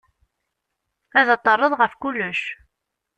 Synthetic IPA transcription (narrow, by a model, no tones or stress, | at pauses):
æðət̪ˤːɑrˤːəðˤʁəfkʊlːəʃ